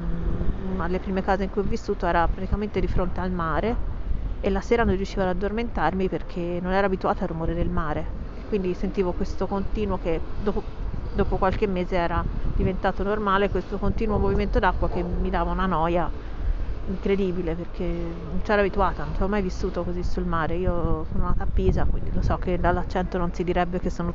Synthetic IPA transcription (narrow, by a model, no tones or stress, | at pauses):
naelepɾiːmekaːzeiŋkujɔvːisːuːt̪oɛːɾapɾat̪i̥kament̪ed̪ifɾont̪ealmaːɾeː | lːaseːɾanõrːjuʃːiːvad̪ad̪ːorment̪armiperkʰenːonɛːɾaːbit̪uaːt̪arːumoːɾed̪elmaːɾeekːwind̪isent̪iːvokwest̪okont̪iːnwoked̪oːpod̪oːpokwalk̟emːeːzeɛːɾad̪ivent̪aːt̪onormaːlekwest̪okont̪iːnwomoviment̪od̪akːwak̟emːid̪aːvaunanɔːja | iŋkɾed̪iːbileperkʰe | nːont͡ʃɛːɾabit̪uaːt̪anonsɔmːajvisːuːt̪okozisulmaːɾeiːosononaːt̪apːiːzakwind̪ilosɔkːed̪alːat͡ʃːɛnt̪ononsid̪iɾɛbːek̟esːoːno